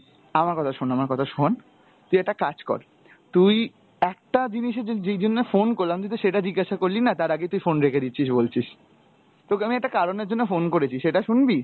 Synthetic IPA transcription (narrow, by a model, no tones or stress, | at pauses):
amaɾkɔt̪ʰaʃonamaɾkɔt̪ʰaʃon | t̪ujɛk̚ʈakad͡ʑkɔ̰ɾ | t̪uj | ɛk̚ʈad͡ʑiniʃed͡ʑejd͡ʑonːefonkoɾlamd͡ʑ̪it̪oʃeʈad͡ʑiɡːaʃakoɾlinat̪aɾaɡejt̪ujfonɾekʰed̪itːɕʰiʃ̬bolt͡ɕʰiʃ | t̪oamiɛk̚ʈakaɾoneɾd͡ʑonːefonkoɾet͡ɕʰiʃeʈaʃunbi